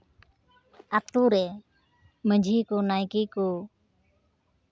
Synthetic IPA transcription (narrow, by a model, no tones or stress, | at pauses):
at̪uɾɛ | məd͡ʒʱikɔnajkiku